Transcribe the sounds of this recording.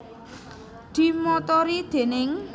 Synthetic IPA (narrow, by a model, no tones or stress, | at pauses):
d̪̥i̤mɔt̪ɔɾid̪̥e̤nɪŋ